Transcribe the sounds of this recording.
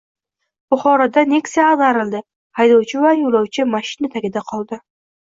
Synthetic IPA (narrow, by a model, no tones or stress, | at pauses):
b̥ʊχɒɾad̪anekʲsanaɾɪlˠd̪ɪ | hajd̪ɒwt͡ʃʰɪvajolˠɒwt͡ʃʰɪmaʃɪnɪt̪ʰaɡʲɪd̪aqʰɒlˠd̪ɪ